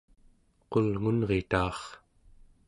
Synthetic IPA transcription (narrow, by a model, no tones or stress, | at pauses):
qolŋunʁe̞t̪ɑːχ